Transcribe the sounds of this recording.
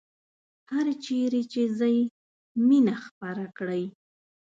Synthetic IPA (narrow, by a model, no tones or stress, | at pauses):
haɾt͡ʃeɾet͡ʃezəj | minaxpaɾakɽəj